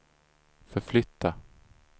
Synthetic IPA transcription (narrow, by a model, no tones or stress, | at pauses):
fœɾflʏt̪ʰːa